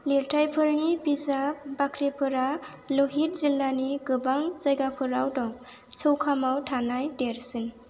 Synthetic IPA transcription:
liɾtʰajpʰɯɾnibizabakʰɾepʰɯɾa | loɦit̚zilːaniɡɯbaŋzajɡapʰɯɾawdɔŋ | sʰɯwkʰamawtʰanajdeɾsin

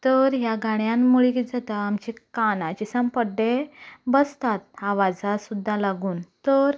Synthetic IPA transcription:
t̪əɾɦjaɡʱaɳjãnmuɭikid͡zat̪aamt͡ɕekanat͡ɕesəmpəɖebəst̪at̪aʋad͡zasud̪ʱːalaɡuːnt̪əɾ

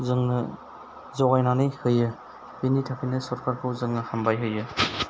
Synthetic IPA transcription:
zɯŋnɯ | zɔɡajnanɯjhɯjɯ | hinitʰakʰijnɯsɔɾkʰaɾkʰɯwzɯŋnɯhambajɦɯjɯ

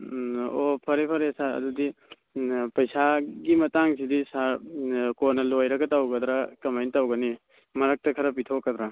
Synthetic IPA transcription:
opʰɐɾepʰɐɾesaɾɐ̰dudi | pɐjsaɡimɐtaŋsidisaɾkoɾnɐlojɾɐɡɐtawɡɐd̪ɾakɐmajnitawɡɐni | mɐɾɐk̚tɐkʰɐɾɐp̬itʰokːɐd̪ɾa

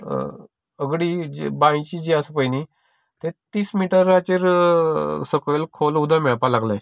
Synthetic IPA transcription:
əɡɽiːd͡ʑbãĩt͡ɕiːd͡ʑiasəpəjni | t̪et̪iːsmiʈəɾat͡ɕeɾ | səkojlkʰolud̪ʱameɭpalaɡlaj

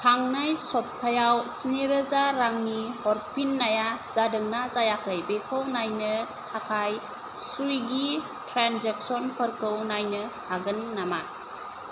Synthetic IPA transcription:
tʰaŋnajsɔp̚tʰajawsiniɾəzaɾaŋnihɔɾ̚pʰinːajaz̥adɯŋnazajakʰɯjbekʰəwnajnɯ | tʰakʰaj | sujɡi | tɾanzek̚sɔnpʰəɾkʰəwnajnɯhaɡɯnːama

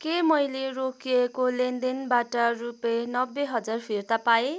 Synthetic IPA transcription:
kemʌjlerokiekolend̪enbaʈʌrupenʌbːeɦʌd͡zarpʰirt̪apae

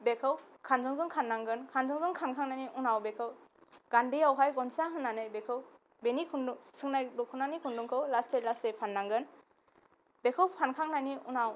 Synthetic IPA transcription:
bekʰɯwkʰanzɔŋzɔŋkʰanːaŋɡɯnkʰanzɔŋzɔŋkʰankʰaŋnajniʔunawbekʰɯwɡ̥andijawɦajɡɔnsaɦɯnːanɯjbekʰɯw | benikʰundusɯŋnajdɔkʰunanikʰunduŋkʰɯwlaselasepʰanːaŋɡɯn | bekʰɯwpʰankʰaŋnajniunaw

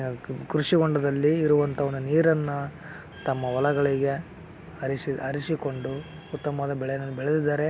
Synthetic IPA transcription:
kɾuʂiɡoɳɖɐd̪ɐlːiːɾuʋɐnt̪ʰɐʋond̪uniːɾɐnːɐ | t̪ɐmːɐʋɐlɐɡɐɭiɡe̞ | ɐɾisiɐɾisiko̞ɳɖu | ut̪ːɐmɐd̪ɐbɛɭɛjɐnɐnːubɛɭed̪id̪ːaːɾe̞

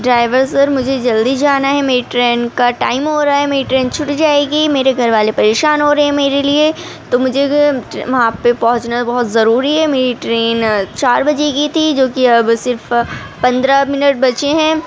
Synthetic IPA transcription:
ɖɾaːɪʋəɾsɐɾmʊd͡ʒʱed͡ʒɐld̪id͡ʒaːnaɦɛmeːɾiʈɾeːnkaʈaːɪmɦoɾaaɦɛmeːɾiʈɾeːnt͡ʃʰʊʈd͡ʒaːeːɡimeːɾeɡʱɐɾʋaːlepɐɾeːʃaːnɦoːɾɐɦeɦɛ̃meːɾelie | t̪omʊd͡ʒʱeʋɐɦãpepɐ̃ɦʊt͡ʃnabɐɦʊt̪zɐɾuːɾiɦɛmeːɾiʈɾeːnt͡ʃaːɾbɐd͡ʒeɡit̪ʰid͡ʒoːkiɐbsɪɾf | pɐ̃nd̪ɾamɪnəʈ̚bɐt͡ʃeɦɛ̃ː

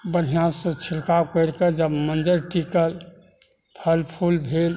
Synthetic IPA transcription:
bəɾɦijãsõt͡ʃʰilkakəjɾked͡ʒəbmənd͡ʒəɾʈikəl | pʰəlpʰulbʱel

